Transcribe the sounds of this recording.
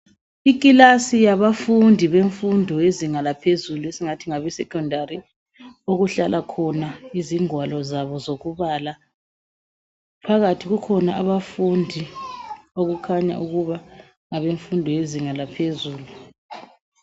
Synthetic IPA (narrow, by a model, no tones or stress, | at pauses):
ik̬ʼilasijaβafundʱiβeɱfundʱɔjeziŋalapʰezuluesiŋatʰiŋaβɛsɛkʰʼɔndʱaɾi | oɣuɬalʔakʰɔnaiziŋwalɔzaβɔzoɣuβala | pʰaɣatʰiɣukʰɔnaʔaβafundʱi | oɣukʰaɲa̰ʔuɣuβa | ŋaβeɱfundʱɔjeziŋalapʰezuːlu